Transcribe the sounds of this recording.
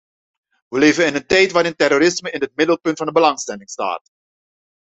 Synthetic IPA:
ʋəleːvənɪnəntɛjtʋaːɾɪntɛroːɾɪsməɪnɦət̚mɪdəlˠpɵntfɑndəbəlɑŋstɛlɪŋsta̰ːt

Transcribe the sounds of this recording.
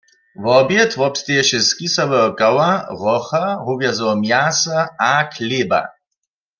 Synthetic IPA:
vɔbjɛt̪ʰvɔpst̪eɛʃɪskʼisavɛɔkʼawaʁɔχaɦuvjazɔɔmjasaakʰleːba̰

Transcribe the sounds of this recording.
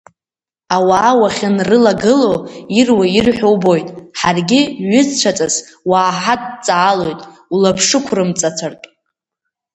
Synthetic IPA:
awaːwaχʲanrɨlaɡɨloirwairħʷᶣowbo̞jtʼħarɡʲɪɥʏzt͡ʃʷʰat͡sʼas | waːħadt͡sʼaːlo̞jtʼulapʰʂɨkʷʰrɨmt͡sʼat͡sʷʰartʼ

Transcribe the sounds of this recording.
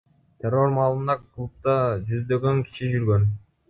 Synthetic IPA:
t̪ʰʲeɾo̞ɾmɑːlˠɯnd̪ɑkʰulˠup̚t̪ɑd͡ʒyzd̪ø̞ɡø̞ŋkʰi̥ʃid͡ʒyɾɡø̞n

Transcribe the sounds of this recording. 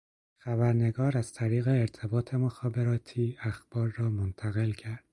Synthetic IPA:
xæbæɾne̞ɡɒːɾæz̥t̪ʰæɾiːɣeːɾt̪ʰe̞bɒːt̪ʰe̞mo̞xɒːbe̞ɾɒːt̪ʰiːæxb̥ɒːɾːɒːmont̪ʰæɣe̞lcʰæɾd̪̥

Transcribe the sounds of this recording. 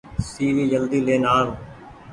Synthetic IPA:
siːʋiːd͡ʒəld̪iːleːnaːl

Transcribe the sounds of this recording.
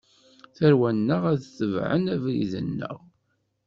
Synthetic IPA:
θæɾwænːəʁæðθəvʕə̰næviðə̰nːə̰ʁ

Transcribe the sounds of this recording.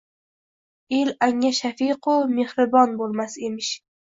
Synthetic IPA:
elaŋaʃafiqʰʊme̞hɾɪbɒnbolˠmase̞mɪʃ

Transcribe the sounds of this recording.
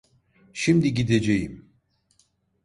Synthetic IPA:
ʃimd̪iɟid̪ed͡ʒejim

